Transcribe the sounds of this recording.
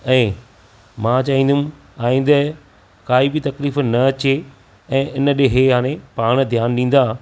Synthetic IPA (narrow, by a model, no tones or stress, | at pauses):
ɛ̃ː | mãt͡ɕaːɦĩːnd̪um | aːĩːnd̪ɛ | kaːibɪt̪ɐkliːfnɐɐt͡ɕe | ɛ̃ːʔɪnɗeɦeɦãːɽ̃ẽpaːɽ̃d̪ʱjaːnɗĩːn̆d̪aː